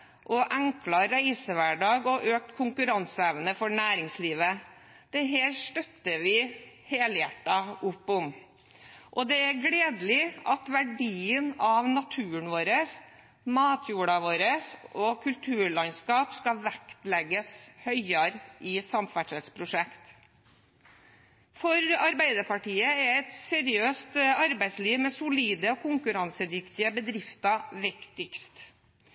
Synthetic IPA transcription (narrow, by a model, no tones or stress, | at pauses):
ʔɔʔæŋklɑɾæɪsəʋæɖɑːɡɔʔøːk̚t̪kʰʊŋkʉɾɑnsəɛʋnəfɔɳæːɾɪŋsliːʋə | d̪̥ɛɦeːɾʂʈ̪œt̪ːəɾʋɪ | heːləjæʈːɑʊpːʊm | ʔɔd̪ɛæɾɡɽeːd̪lɪʔɑt̪ʋæɖiːənɑʋnɑt̪ʰʉːəɳʋoːɾəs | mɑːt̪ʰjuːɽɑʋoːɾəsɔkʰʉlt̪ʰʉːɭɑnskɑːpskɑʋækt̪lɛɡəshœʏɑɾʔɪsɑmfæʈʂɛt̪spʰɾʊʂɛkt̪ | fɔɾɑɾbæɪd̪əɾpɑʈiːəɛɛt̪sɛɾɪøːst̪ɑɾbæɪsliːʋmɛsʊliːd̪əɔkʰʊŋkʉɾɑnsəd̪ʏkt̪ɪəbəd̪ɾɪft̪ɑʋɪkt̪ɪkst̪